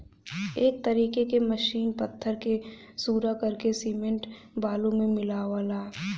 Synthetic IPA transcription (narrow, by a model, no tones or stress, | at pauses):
eːk̚t̪ɐɾiːkekeməʃiːnpɐt̪ʰːəɾke | suːɾakɐɾkesiːmẽɳʈ | baːlõmẽmɪlaːʋalaː